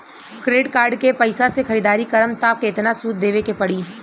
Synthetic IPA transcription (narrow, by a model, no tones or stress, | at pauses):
kɾeːɖkaːɾɖkepɐɪsasexɐɾiːd̪aːɾikɐɾəmt̪aːp̚keɪt̪nasuːt̪̚d̪eːʋekepɐɽiː